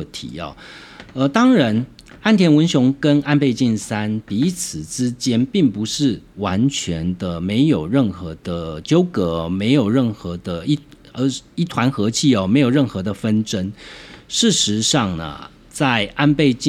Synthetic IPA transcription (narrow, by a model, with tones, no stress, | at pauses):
t̪ʰḭ˨˦ɐ̰˨˩ | ə˧t̪ɑ˥ŋɻa˧˥n | a˥˩nt̪ʰjɛ˧˥nwə˧˥nɕjʊ˧˥ŋkə˦na˥˧npe˥˧ɪt͡ɕi˥˩nsa˥npi˨˧i˦˥t͡sʰɹ̩˨˩ʈ͡ʂɻ̩˦˥t͡ɕjɛ˥npi˥˩ŋpu˧˦ʂɻ̩˥˩wa˧˦˥nt͡ɕʰɥɛ˧˥nd̪ə˧me˧˥ɪjo˨˩ʊɻə˥˩nxɤ˧˥d̪̥ə˧t͡ɕjo˥ʊkɤ˧˥me˧˥ɪjo˨˩ʊɻə˥˩nxɤ˧˥d̪ə˧i˥ | ə˧˦i˥t̪ʰwa˧˥nxɤ˧˥t͡ɕʰi˥˩ɔ˩me˧˥ɪjo˨˩ʊɻə˥˩nxɤ˧˦d̪ə˧fə˥nʈ͡ʂə˥nʂɻ̩˥˩ʂɻ̩˧˥ʂɑ˥˩ŋnə̰˩ | t͡sa˥˩ɪʔa˥˧npe˥˧ɪt͡ɕi˥